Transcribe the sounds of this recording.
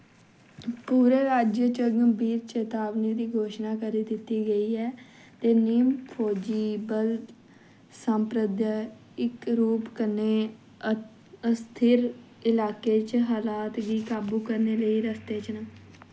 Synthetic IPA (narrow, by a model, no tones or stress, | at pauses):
puːɾeːɾaːd͡ʒjət͡ʃəɡbiːɾt͡ʃeːt̪aːʋniːd̪iːɡʱoːʃnaːkəɾiːd̪ɪt̪ːiːɡəiːɛː | t̪eːniːmpʰoːd͡ʒiːbəl | səmpɾəd̪ə | ɪkɾuːpkəɾneː | əst̪ʰɪɾ | ɪlaːkeːt͡ʃɦaːlaːt̪ɡiːkaːbuːkəɾneːləiːɾəst̪eːt͡ʃnəː